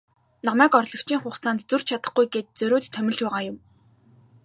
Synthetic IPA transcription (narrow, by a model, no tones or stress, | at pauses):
nɔmæːkɔrɮɞ̆kt͡ɕʰiːŋχʊχt͡saːnt̪t͡sur̥t͡ɕt͡ɕʰat̪ə̥̆χɡujɡet̪̚t͡sɵɾʲoːt̪ʰːœmʲɪ̆ɮt͡ɕpæːʁaːjʊm